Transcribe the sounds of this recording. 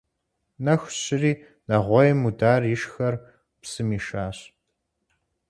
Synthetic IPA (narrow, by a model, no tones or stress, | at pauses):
nɐxʷɕɪriː | nɐʁʷɔjmudaːrɪʃxɐr | psɨmiːʃaːɕ